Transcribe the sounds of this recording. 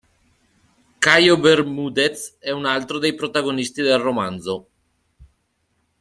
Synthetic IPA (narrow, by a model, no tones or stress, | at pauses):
kajobermud̪et̪sɛunalt̪ɾod̪ejpɾot̪aɡonist̪id̪elromanzo